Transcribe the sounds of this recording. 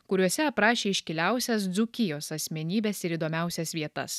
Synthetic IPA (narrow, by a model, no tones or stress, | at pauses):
kʊɾʲuɔsʲɛɐpɾɑːʃʲeːɪʃʲkʲɪlʲæˑʊsʲɛs̬d̪zʊkʲɪjoːsɐsʲmʲɛnʲiːbʲɛsɪɾiːd̪oːmʲæˑʊsʲɛsʋʲiɛt̪ɐ̰s